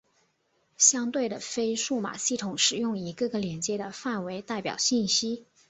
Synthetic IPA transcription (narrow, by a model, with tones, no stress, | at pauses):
ɕjɑ˥ŋt̪we˥˩ɪd̪ə˩fe˥ɪʂu˥˩ma̰˨˩ɕi˥˩t̪ʰʊ˨˩˥ŋʂɻ̩˨˩jʊ˥˩ŋi˧˥ɡə˥˧ɡə˩ljɛ˧˥nt͡ɕjɛ˥d̪ə˨fa˥˩nwe˧˥ɪt̪a˥˩ɪpjɑ̰˨˩ʊɕi˥˩nɕi˥